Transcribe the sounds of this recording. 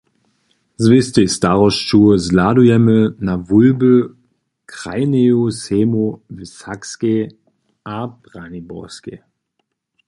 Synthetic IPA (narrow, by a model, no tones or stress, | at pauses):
zvɪstɪstaʁɔsʃuəzlaːduɛmənavʊlbə | kʁ̥a̰ɪneoseːmovɪsakske | ʔab̥ʁanibɔskḛ